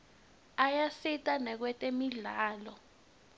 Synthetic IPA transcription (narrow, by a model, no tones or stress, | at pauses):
ajasitʼanɛk̬wɛtʼemiɮaːlɔ